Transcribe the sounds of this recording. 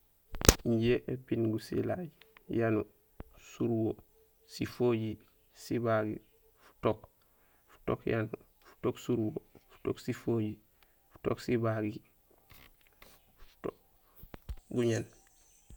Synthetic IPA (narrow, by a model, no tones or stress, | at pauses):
iɲɟeʔepinɡusḭlajjanu | suɾwo | sifoɟi | sibaɡḭ | fu̥tok | fu̥to̰kja̰nu | fu̥toksuɾwofu̥toksifoɟi | fu̥to̰ksibaɡi | fu̥uto | ɡuɲen